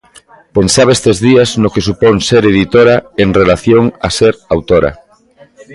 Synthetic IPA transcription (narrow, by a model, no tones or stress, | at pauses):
pensaβ̞est̪ezðiaznokesupoŋseɾeðit̪oɾaeŋrelaθjoŋa̰seɾawt̪oɾa̰